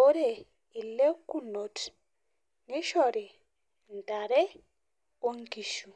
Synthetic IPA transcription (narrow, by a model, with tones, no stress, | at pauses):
o˦ɾe˨ | i˨le˦ku˦no˨t | ŋi˦ʃɔ˨ɾe˨ | n˨da˨ɾe˦ | o˦ŋ˦ki˨ʃu˨